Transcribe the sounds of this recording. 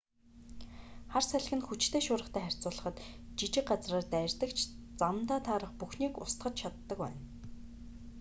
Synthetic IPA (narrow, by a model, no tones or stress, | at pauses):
χarsæɮ̆xɘ̆nxut͡ɕt̪ʰeːʃʊːɾə̆χt̪ʰæːχær̥ʲt͡sʊːɮə̆χə̆t̪t͡ɕit͡ɕɪ̆kɢat͡sraːrt̪ærʲt̪ə̆kt͡ɕʰt͡samt̪aːt̪ʰaːɾə̆χpuxniːkʊ̰st̪χə̆t͡ɕt͡ɕʰat̪ːə̆kwæ̰ːn